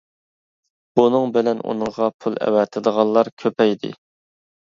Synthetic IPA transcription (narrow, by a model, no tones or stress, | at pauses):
b̥unɨŋbɪlɛnṵnɨŋʁɑpʰulˠɛ̰wɛt̪ʰɨd̪əʁɑlˠlːˠɑɾkʲʰøpɛjd̪ɪ̰